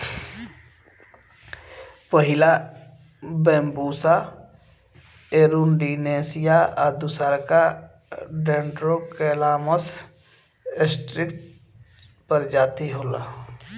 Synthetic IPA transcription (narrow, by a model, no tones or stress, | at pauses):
pəɦɪla | bẽːmbuːsa | eːɾunɖineːsijaad̪ʊsaɾka | ɖeːɳɖɾokɛːlaːməs | ɪsʈɾɪkʈ | pəɾd͡ʒaːt̪iɦoːla